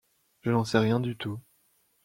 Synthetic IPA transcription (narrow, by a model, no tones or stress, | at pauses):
ʒ̥ənɑ̃sɛʁjɛ̃d̪yt̪u